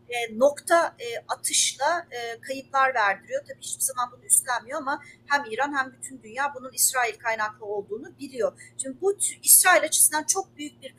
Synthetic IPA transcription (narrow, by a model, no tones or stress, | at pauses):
ɛno̞kt̪ʰaɯːat̪ʰɯʃlˠaɯːkʰajɯt̪p̪lˠaɾvæɾd̪iɾijo̞t̪ʰabiːhit͡ʃpizamanbunuyst̪lʲænmijo̞amahæmiːɾanhæmbyt̪ʰynd̪ynjaːbununisɾaːilʲkʰajnaklˠɯo̞lˠd̪uːnubilʲijo̞t͡ʃʰynd̪ibuisɾaːilʲat͡ʃʰe̥sind̪ant͡ʃʰo̞k̚byjyc̚biɾ